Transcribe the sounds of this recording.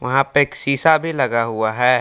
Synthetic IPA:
ʋɐɦãpeeːksiːsabʱilɐɡaɦʊaɦɛː

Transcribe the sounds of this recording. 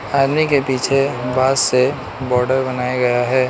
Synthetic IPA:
aːd̪nikepiːt͡ʃʰebaːdse | bɔːɾɖəɾbɐnaːjaɡɐjaɦɛː

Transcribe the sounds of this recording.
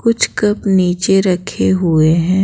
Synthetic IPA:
kʊt͡ʃʰkɐpniːt͡ʃeɾɐkʰeɦʊeɦɛ̃ː

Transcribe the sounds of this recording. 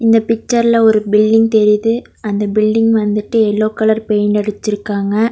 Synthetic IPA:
ɪnd̪ɐpɪk̚t͡ʃːɐɾlɐɔɾɯbɪlɖɪŋɡt̪ɛɾɪðɯ | ɐnd̪ɐbɪlɖɪŋɡʋɐnd̪ɯʈːɯɛlːoːkːɐlɐɾpeːnɐɽɯt͡ʃːɪɾɯkːaːŋɡɐ

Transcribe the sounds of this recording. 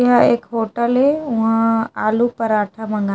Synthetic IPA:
ɦaeːkɦoːʈəleʊ̃ɦãaːlupɐɾaːʈʰamɐ̃ŋɡa

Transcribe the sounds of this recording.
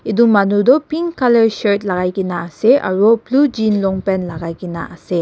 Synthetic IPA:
iduŋmanudɔpiŋkaleɾseɾt̚laɡajɡinaːseʔa̰ɾɔplud͡ʒinlɔŋpenlaɡajɡinaʔase

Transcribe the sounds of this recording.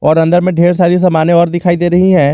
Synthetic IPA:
ɔːɾɐ̃nd̪əɾmẽɖʱeːɾsaːɾis̬ɐmaːneɔːɾd̪ɪkʰaːid̪eːɾɐɦiɦɛ̃ː

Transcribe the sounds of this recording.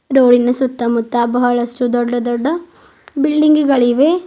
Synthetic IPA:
ɾoːɭinɐsut̪ːɐmut̪ːabɐɦɐɭɐsʈud̪ɔɖːɐd̪ɔɖːɐ | bilɖiŋɡiɡɐɭiʋe

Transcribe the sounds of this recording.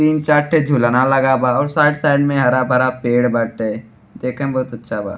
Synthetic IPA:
t̪iːnt͡ʃaːɾʈʰed͡ʒʱulanalɐɡabʱaɔːɾsaːʈsaːɪɖmẽɦɐɾabʱɐɾapeːɽbaːʈe | d̪eːkʰẽbɐɦʊt̪ɐtːʃʰaba̰ː

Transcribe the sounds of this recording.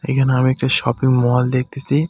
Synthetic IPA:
ḛkʰanamiɛk̚ʈaʃɔpiŋmɔɦɔld̪ek̚t̪esi

